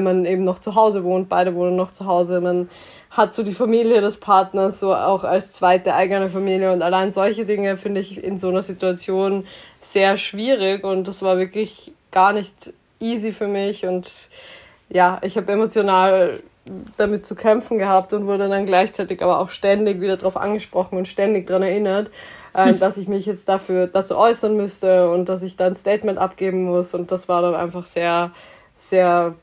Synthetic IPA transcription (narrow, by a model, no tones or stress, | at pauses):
ɛnmanʔeːbm̩nɔχt͡suɦaʊzəvoːnt̚b̥aɪɾəvoːnənːɔχt͡suɦaʊzəman | hatz̥oːdiːfamiːljədɛspʰaɐtnɐsz̥oːa̰ʊxa̰lst͡sv̥aɪt̚d̥əɐʔaɪɡənəfamiːljəʊntalaɪnzɔlçədɪŋəfɪndəɪçɪ̰nzoːnɐzituat͡sjoːn | z̥eːɐʃv̥iːʁ̞ɪkʊntd̥asv̥aːɐvɪɐklɪç | ɡ̥aːɐnɪçt | ʔiːzifyːɐmɪçʊnt | jaːʔɪçhaːbəemot͡sjonaːl | d̥amɪt̚t͡sukʰɛmfn̩ɡəhaːp̚tʊntvʊɐdədanɡlaɪçt͡saɪtɪçʔaːbɐʔa̰ʊxʃtɛndɪçviːdɐdʁaʊfʔa̰nɡəʃpʁ̥ɔχn̩ʊntʃtɛndɪç̚d̥ʁanɛɐʔɪnɐt | ʔɛːmd̥asɪçmɪçjɛt͡st̚d̥afyːɐd̥at͡sṵːʔɔʏsɐnmʏstəʊnt̚d̥as̬ɪçd̥aːnstɛːtmɛntʔapɡ̥eːbm̩mʊsʊnt̚d̥asv̥aːɐɾanʔa̰ɪnfaχz̥eːɐ | z̥eːɐ